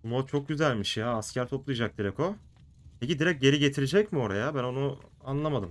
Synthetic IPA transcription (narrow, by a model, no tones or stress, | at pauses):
unot͡ʃʰo̞k̚ɟyzælʲmiʃjaːscʰæɾt̪ʰo̞plˠɯjad͡ʒak̚d̪iɾɛko̞ | pʰe̞cid̪iɾɛc̚ɟe̞ɾiɟe̞t̪ʰiɾed͡ʒɛcmio̞ɾajabæno̞nuanlˠamad̪ɯm